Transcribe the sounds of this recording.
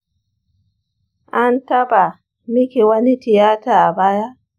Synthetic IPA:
ʔa˦nta˦ba˨ | mi˦ki˨wa˦ni˦ti˨jaː˦taː˨a˨baː˦ja˦

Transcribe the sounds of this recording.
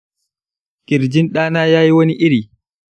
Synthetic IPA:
kʲʼɪ˨ɾd͡ʒɪ˦nɗaː˦naː˦jaː˦ji˦wo˦ni˦ʔi˦ɾi˨

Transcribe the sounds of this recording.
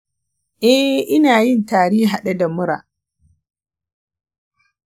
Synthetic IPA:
ʔɛ˦ʔɪ˦naː˨jɪ˦ntaː˨ɽiː˦ɦa˨ɗa˦da˨mʊ˦ɾa̰ː˨

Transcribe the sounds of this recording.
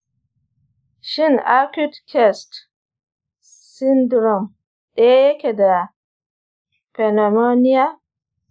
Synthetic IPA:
ʃɪ˦˨ŋa˦ku˦dkʰɛ˦˨st | sɪ˦ndɾɔ˨m | ɗe˦ja˦jɐ˦kʲe˨da˨ | pɛ˨na˨mo˦nɪ˦ja˦

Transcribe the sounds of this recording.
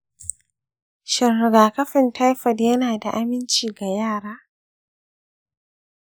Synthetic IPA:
ʃɐ˨nːɐ˨ɡaː˨kɐ˦ɸɪ˨ntʰa˦jɸɐ˨djɐ˦naː˨da˨ʔa˦mɪ˦nt͡ʃiː˨ɡa˨jaː˦˨ɽaː˦

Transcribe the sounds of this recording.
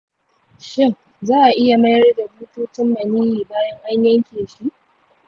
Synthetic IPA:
ʃɪ˦ŋ | zaː˦ʔa˨ʔɪ˦ja˨mɐ˦jɐ˦rda˨buː˦tuː˦tɪ˦mːɐ˨niː˦jiː˨baː˦jɐ˦ŋʔa˦ɲjɐ˦ŋkʲeː˨ʃi˦ʔ

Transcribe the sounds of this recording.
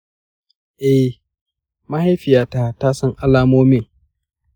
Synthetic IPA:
ʔɛ˦h | ma˦ha˦jɸɪ˨jaː˨taː˦taː˦sɐ˦ŋʔa˦laː˦moː˦meː˦˨

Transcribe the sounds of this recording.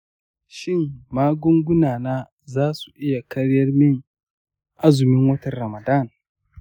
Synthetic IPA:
ʃɪ˦ŋmaː˦ɡʷʊ˦ŋɡʷʊ˦naː˨naː˦ | zaː˦su̥˨ʔɪ˦ja˨kɐ˦ɽjɐ˦rmɪ˦ŋ | ʔa˦zʊ˨mɪ˦ŋwɐ˦tɐ˨rːɐ˨mɐ˨da˦˨n

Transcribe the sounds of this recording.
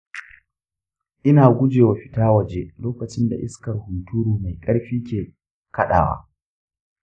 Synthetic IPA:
ʔɪ˦naː˨ɡʷʊ˦d͡ʒeː˨wa˨ɸɪ˦taː˦wɐ˨d͡ʒe˦loː˦kɐ˨t͡ʃɪ˦nda̰˨ʔɪ˦skɐ˨rhʊ˨tʰuː˦ɾuː˨ma˨jkʼɐ˦ɽɸiː˦kʲeː˨ | kɐ˦ɗa̰ː˨wa̰˦

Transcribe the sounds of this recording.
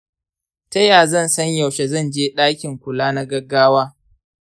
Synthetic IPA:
tɐ˦jaː˨zɐ˦˨nsɐ˦ɲja˨wʃe˨zɐ˦˨nd͡ʒeː˦ɗaː˦kʲɪ˨ŋkʷʊ˨laː˦na˦ɡɐ˦ɡːaː˦waː˦

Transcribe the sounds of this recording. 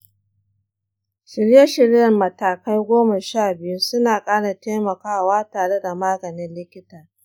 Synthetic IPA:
ʃɪ˨ɽjɐ˦ʃɪ˨ɽjɐ˨rmɐ˨taː˨ka˦jɡʷoː˦ma˨ʃaː˦˨bɪ˨ju˦sʊ˦naː˨kʼaː˦ɽa˨teː˦mɐ˨kaː˦waː˦taː˨ɽe˦da˨maː˦ɡɐ˨nɪ˦nlɪ˦kʲɪ˦taː˨

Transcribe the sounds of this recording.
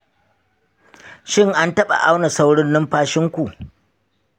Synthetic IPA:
ʃɪ˦ŋʔa˦ntɐ˦ɓa̰˨ʔa˦wna˨sa˦wɽʊ˦nːɪ˦mɸaː˦ʃɪ˦ŋkʷu˨ʔ

